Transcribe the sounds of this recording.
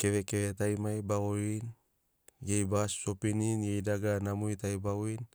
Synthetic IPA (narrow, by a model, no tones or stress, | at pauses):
ke̞βekewetajmajbaoɾin | jejbasːopininjejdaɡanamujtajbawin